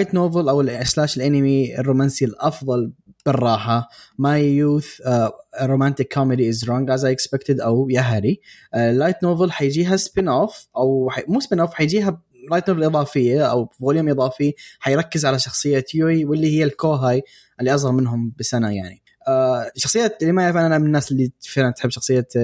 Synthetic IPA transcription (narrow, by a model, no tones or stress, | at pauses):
lajt̪noːvɪlʔawɪlslaːʃɪlʔanɪmiɪ̰rˤːoːmaːnsilʔɑfðˤɑlb̥ɪrˤːɑːħamajuːθ | ɾːoːmant̪ɪkʰːɔmɪd̪iɪzɾˤɔːŋɡʔazajɪkspɪkt̪ɪd̪ʔawjaɦaɾiʔlːajt̪noːvɪlħajd͡ʒiːɦaspɪnoːfʔawħamuːspɪnoːfħajd͡ʒiːɦa | lajt̪noːvlʔɨðˤɑːfɪjːaʔawvoːljumʔɨðˤɑːfiħajɾˤɑkːɪzʕalaʃɑxsˤɨjːajuiwɪlːihɪjːalkoːɦaj | ʔɪlːiʔɑs̬ˤɣɑlmɪnɦʊmbɪsanaja̰ʕni | ʔaʃɑxsˤɨjːalimajafnʔanamɪnːaːsɪlːifɪʕlant̪ħɪbːʃɑxsˤɨjːa